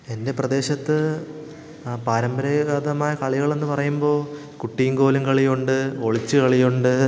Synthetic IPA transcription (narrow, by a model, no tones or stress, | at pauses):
e̞nde̞prɐd̪e̞ːɕɐt̪ːɨ | paːɾɐmbɐɾɐɐðɐmaːjɐkɐɭiɣɐɭe̞nːɨpɐrɐjumbo̞ː | kuʈːijŋɡo̞ːluŋkɐɭijoɳɖɨo̞ɭit͡ɕːɨkɐɭijoɳɖɨ